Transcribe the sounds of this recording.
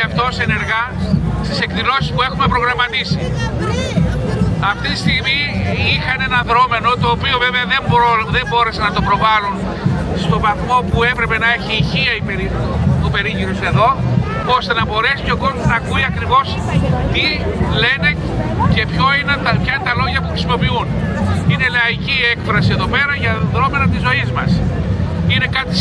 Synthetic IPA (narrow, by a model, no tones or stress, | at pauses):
ɐft̪o̞seneɾɣɐst̪ise̞kðilo̞sispue̞xume̞pɾo̞ɣɾɐmɐt̪isi | ɐft̪it̪ist̪iɣmiixɐnenɐðɾo̞me̞no̞t̪o̞ːpio̞veɐveɐðe̞mbɾoðe̞mbo̞ɾe̞senɐt̪o̞pɾo̞vɐlun | st̪o̞vɐθmo̞pue̞pɾe̞pe̞nɐe̞çiːçiɐipeɾit̪upe̞ɾiʝiɾuse̞ðo̞ | o̞st̪e̞nɐbo̞ɾe̞sipçoɡo̞zmonɐkuiɐkɾivo̞s | t̪i | le̞ne̞ | ce̞pçoinet̪ɐpçɐinet̪ɐlo̞ʝɐpuxɾisimo̞piunine̞lɐiciekfɾɐsie̞ðo̞pe̞ɾɐʝɐðɾo̞me̞nɐt̪izo̞izmɐs | ine̞kɐt̪i